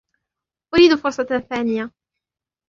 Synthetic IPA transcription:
ʔʊɾiːd̪fʊɾˤsˤɑθaːnɪja

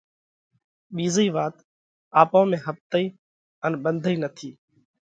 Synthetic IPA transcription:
ɓiːziːʋaːt̪ | aːpõːmẽːɦəp̚t̪əiː | ənɓənd̪ʱiːnət̪ʰiː

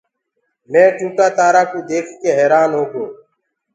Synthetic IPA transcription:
mɛ̃ːt͡ʃuːʈaːt̪aːɾaːkuːd̪eːkʰkeːɦɛːɾaːnɦoːkoː

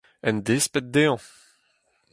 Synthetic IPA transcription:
ɛnd̪espet̪̚d̪eɑ̃

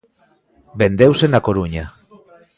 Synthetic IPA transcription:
be̞nd̪ewsenakoɾuɲa

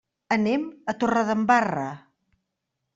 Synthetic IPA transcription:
ənemət̪orəðəmbarə̰

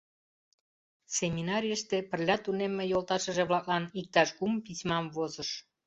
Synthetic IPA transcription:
semʲinɑɾʲijəʃt̪epərlʲɑt̪unemːejolt̪ɑʃəʒeβlɑk̚lɑnik̚t̪ɑʃɡumpismɑmvozəʃ

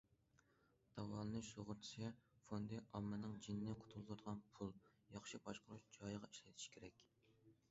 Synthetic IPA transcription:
d̪̥ɑwɑnˠɨnɨʃoʁʊɾt̪ʰi̥sʰɨfond̪ɨʔɑmːɨnɨŋd͡ʒinːɪqʰʊ̥t̪ʰulˠd̪ud̪əʁɑnpʰulˠjɑχʃibɑʃqʰʊɾuʃd͡ʒɑjʁɑiʃlɛt̪ʰi̥ʃi̥kʲʰeɾɛkʲ

